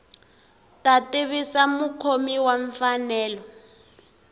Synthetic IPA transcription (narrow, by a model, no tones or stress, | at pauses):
tatiβisamukʰomiwaɱfanɛːlɔ